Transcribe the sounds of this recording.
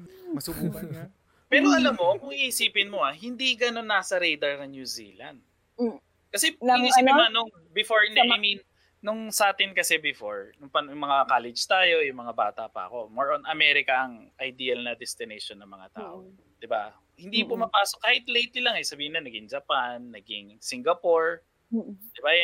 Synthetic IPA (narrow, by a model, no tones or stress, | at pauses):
mɐsubuːk | pɛːɾoɐlamːo̞kʊŋihɪsiːpɪnmoɐɦɪnd̪iɡɐno̞nːaːsɐɾejd̪ɐɹnɐŋnjuzḭːla̰nd̪̚ | kɐsɛiisiːpɪonʊŋ | bɪfoɹhɪnd̪ɛʔajminː | ʊŋsɐʔaːt̪ɪnkɐsɛbɪfoɹnʊŋpɐnjʊŋmɐŋakaːlɛd͡ʒt̪aːjo̞jʊŋmɐŋaba̰ːt̪ɐ̰ʔpɐ̰ɐ̰ko̞moɹʔonɐmɛɾɪkɐɐŋʔɐjd̪iːɐlnɐd̪ɛst̪ɪnejʃonːɐŋmɐŋa̰t̪a̰ːʔo | d̪̥ɪba | hɪnd̪ipʊmɐpaːsok̚kːaːhɪt̪lejt̪ɪlaŋɐjsɐbiːhɪnɐnɐɡɪŋd͡ʒɐpanːɐɡɪŋsiŋɡɐpoɹ | d̪̥ɪba